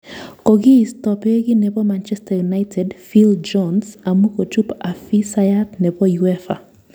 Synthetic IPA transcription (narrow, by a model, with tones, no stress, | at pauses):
kɔ˨ɡɪ˦stɔ˨pe˦ɡɪ˦nɛ˨pɔ˦mant͡ʃɛ˦stajuna˦jtʰɛ˨dfild͡ʒɔnsa˨mu˦ko˨t͡ʃu˦pa˨fi˦sa˦jatnɛ˨pɔ˦juɛ˦fa̰˨